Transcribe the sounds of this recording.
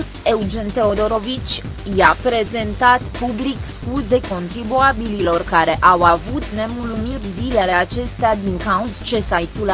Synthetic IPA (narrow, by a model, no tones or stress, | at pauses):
e̞wd͡ʒent̪e̞o̞d̪o̞ɾo̞vit͡ʃʲ | japɾe̞ze̞nt̪at̪publikskuzd̪e̞ko̞nt̪ɾibuabililo̞rkaɾe̞ʔawavut̪ne̞muumirʲzile̞le̞at͡ʃe̞st̪ead̪iŋkauzt͡ʃe̞sajt̪ula